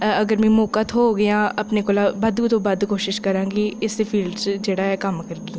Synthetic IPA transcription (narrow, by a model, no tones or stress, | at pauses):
əɡəɾmɛ̃ːmoːkət̪ɦoɡəjãːɐpnekolabəd̪t̪obəd̪koːʃɪʃkəɾãːŋɡiɪsːepʰiːlɖt͡ʃd͡ʒeːɽaːɛːkəmkəɾɡĩ